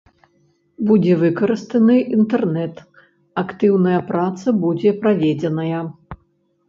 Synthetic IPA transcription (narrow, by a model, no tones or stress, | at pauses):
bud͡zʲɛvɨkɐɾɨst̪ɐnɨʔint̪ɛrnɛt̪ | akt̪ɨwnɐjɐpɾat̪sɐbud͡zʲɛpɾavʲɛd͡zʲɛnɐjɐ